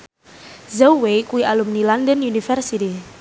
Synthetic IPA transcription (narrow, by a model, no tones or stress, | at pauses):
zawejkuwiʔalumnilandənjunifɛrsiti